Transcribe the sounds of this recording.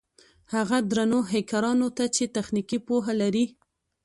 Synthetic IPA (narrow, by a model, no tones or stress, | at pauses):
haɣad̪ɾanoɦekaɾɑnot̪at͡ʃet̪axnikipoɦalaɾi